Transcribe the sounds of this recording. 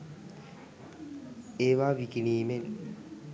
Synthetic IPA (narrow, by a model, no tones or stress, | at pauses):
eβaβikiniːmen